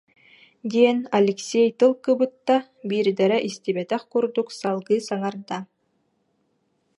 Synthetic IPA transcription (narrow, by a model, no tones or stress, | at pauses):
d̪iɛnalʲɛksʲejt̪ɯlˠkɯbɯt̪ːa | biːɾd̪ɛɾɛʔist̪ibɛt̪ɛχkuɾd̪uksalˠɡɯːsaŋaɾd̪a